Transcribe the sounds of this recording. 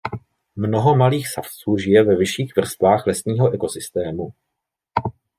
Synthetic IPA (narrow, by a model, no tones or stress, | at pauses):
mno̞ɦo̞maliːxsaft͡suːʒɪjɛvɛvɪʃiːxvr̩st̪vaːxlɛsɲiːɦo̞ʔɛko̞sɪst̪ɛːmu